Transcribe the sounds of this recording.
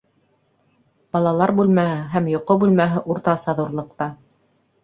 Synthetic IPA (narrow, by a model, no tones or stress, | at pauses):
b̥ɑlˠɑlˠɑɾbʉlmæhɘɦæmjŏqobʉlmæɦɘʔuɾt̪ɑsɑðuɾlˠɤ̆q̚t̪ɑ